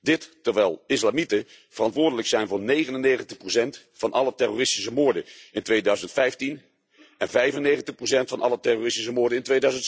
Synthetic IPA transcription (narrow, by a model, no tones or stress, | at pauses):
dɪttəɹʋɛjlˠɪslamitə | vərɑntʋʊːɹdələksɛjnvʊːɹnejχənənejχəntəχprosɛnt | fɑnʔɑ̰lətɛroːrɪsti̥s̬əmʊːɹdəɪntʋejdœɥzəntfɛjftin | ɛnvɛjvənːejχəntəχprowsɛntfɑnʔɑ̰lətɛrorɪstis̬əmʊːɹdəɪntʋejdœɥzənt